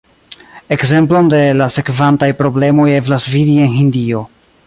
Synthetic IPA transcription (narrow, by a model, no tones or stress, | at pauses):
e̞kze̞mplo̞nde̞lase̞kvantajpɾo̞ble̞mo̞je̞vlasvidie̞nɦindio̞